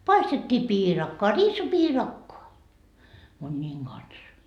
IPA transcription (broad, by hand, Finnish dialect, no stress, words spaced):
pɑistetːiː piːrɑkːoɑ riːsipiːrɑkːoɑ munʲːiːŋ ɡ̊ɑns